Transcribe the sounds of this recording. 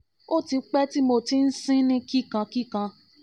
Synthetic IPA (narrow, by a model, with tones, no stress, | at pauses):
o˦ti˧˦k͡pɛ˦ti˦mo˧ti˨˦n̩˦sĩ˦nĩ˦ki˦kã˧ki˦kã˧